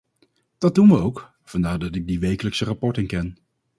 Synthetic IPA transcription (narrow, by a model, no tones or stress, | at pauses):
d̥ɑd̚dunʋəowk | vɑndaːɹdɑtɪɡ̚diʋejkələksərapɔɹtɪŋkɛn